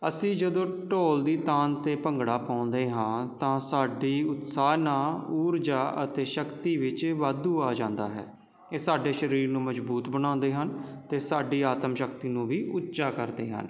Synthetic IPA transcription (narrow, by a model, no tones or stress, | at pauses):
ə̰sĩːd͡ʒəd̪õːʈoːld̪iːt̪aːnt̪eːpəŋɡɽaːpãːnd̪eːɦãːt̪ãːsaːɖiːʊt̪saːnaːuːɾd͡ʒaːə̰t̪eːʃəkt̪iːʋɪt͡ʃʋaːd̪uːaːd͡ʒãːnd̪a̰ːɦɛ̰ː | eːsaːɖeːʃəɾiːɾnũːməd͡ʒbuːt̪bənãːnd̪eːɦənt̪eːsaːɖiːaːt̪əmʃəkt̪iːnũːʋiːʔʊt̪ːt͡ʃaːkəɾd̪ḛːɦə̰n